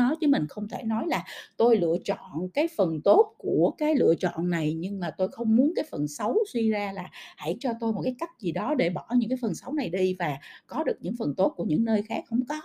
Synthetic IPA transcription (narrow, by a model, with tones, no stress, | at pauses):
ɔ˨˦jt͡ɕɨ˨˦mï˨˩ŋ̟xə˧wŋ͡mt̪ʰe˧˩nɔ˨˦jlaː˨˩t̪o˧jlɨ̰˧˨ət͡ɕɔ̰˧˨nkaː˨˦jfə˨˩nt̪o˦˥t̚ku˧˩əkaː˨˦jlɨ̰˧ət͡ɕɔ̰˧˨nːa˨˩jɲɨ˧ŋmaː˨˩t̪o˧jxə˧wŋ͡mmu˨˦ənkaː˨˦jfə˨˩nsə˨˦wswi˧zaː˧laː˨˩ha̰˧˩jt͡ɕɔ˧t̪o˧jmo˨˩t̚kaː˨˦jka˦˥jk̚zi˨˩ɗɔ˨˦ɗe˧˩ɓɔ˧˩ɲɨ̰˧˥ŋk̬aː˨˦jfə˨˩nsa˨˦wna˨˩jɗi˧vaː˨˩kɔ˨˦ɗɨ˨˩ək̚ɲɨ̰˧˥ŋfə˨˩nt̪o˦˥t̚ku˧˩əɲɨ̰˧˥ŋnəː˧jxaː˦˥k̚hə̰˧˥wŋ͡mkɔ˨˦